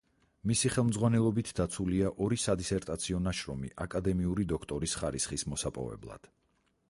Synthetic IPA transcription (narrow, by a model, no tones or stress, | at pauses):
misiχɛlˠmd̪zʁwanɛlˠɔbit̪ʰd̪at̪sʰuliaʔɔɾisad̪isɛɾt̪ʼat̪sʰiɔnaʃɾɔmḭʔakʼad̪ɛmiuɾid̪ɔkʰt̪ʼɔɾisχaɾisχismɔsapʼɔ̰vɛ̰blˠa̰d̪̥